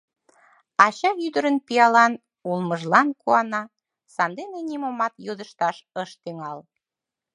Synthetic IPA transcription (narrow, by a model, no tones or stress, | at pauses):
ɑɕɑyd̪əɾənpiɑlɑn | ulməʒlɑnkuɑnɑ | sɑnd̪enenʲimomɑt̪jod̪əʃt̪ɑʃəʃt̪yŋɑl